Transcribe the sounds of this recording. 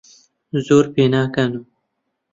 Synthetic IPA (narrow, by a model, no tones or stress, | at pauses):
zoːɾpeːnaːkanu